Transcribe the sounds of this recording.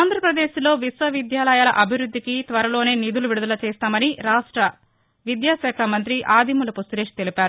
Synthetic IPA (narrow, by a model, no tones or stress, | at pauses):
aːnd̪ʱɾɐpɾɐd̪eːʃlo̞ːʋisʋɐʋid̪jaːlɐjaːlɐ̰ʔɐbʱiɾud̪ʱːikit̪ʋɐɾɐlo̞ːne̞ːnid̪uluʋiɽud̪ɐlɐt͡ʃɛːst̪aːmɐniɾaːʂʈɾɐ | ʋid̪jaːʃaːkʰɐmɐnt̪̬ɾiʔaːd̪imulɐpust̪uɾeːʂt̪e̞lipaːɾu